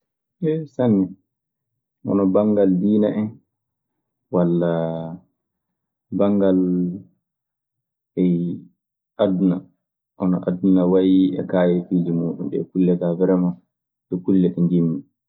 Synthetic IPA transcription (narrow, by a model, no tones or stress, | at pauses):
ʔɛsanːɛ | ʔɔ̰nɔbaŋɡaldiːnaʔɛn | walːa | baŋɡal | ɛ | ʔaduna | ʔɔnɔʔadunawajiɛ̰kaːjɛfid͡ʒimuːɗṵnɗɛkulːɛtavɛɾɛma | ɗɔkulːɛɗɛnd͡ʒimːi